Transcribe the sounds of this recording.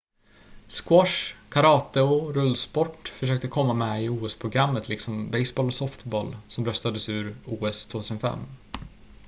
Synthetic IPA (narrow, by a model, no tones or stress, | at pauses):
skwɔʂkʰaɾɑːt̪əɔɾɵlːspɔʈfœʂøːk̚t̪əkʰɔmːamɛɪuːɛspʰɾʊɡɾamːət̪lɪksɔmbɛjsbɑːlɔsɔft̪bɔlsɔmɾœst̪ad̪əsʉ̟ːɾuːɛst̪ʰvoːt̪ʰʉsənfɛ̰mː